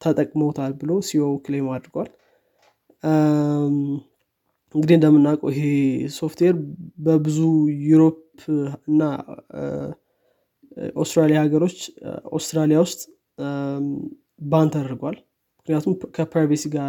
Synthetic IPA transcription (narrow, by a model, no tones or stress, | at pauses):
t̪ʰət̪ʼəkʼməwt̪ʰalbɨlo̞siowklemad̪ɾɡwal | ɨŋɡɨd̪iɨnd̪əmːɨnːakʼo̰ɪɦe̞so̞ft̪ʰweɾbəbɨzujuɾo̞pʰ | ɨnːa | ʔa̰wst̪ʼɾalijahaɡəɾo̞t͡ʃːa̰wst̪ɾalijawʊst̪ʼ | bant̪ʰad̪əɾɡwal | mɨknɨijat̪ʰumkʰəpɾajβesiɡa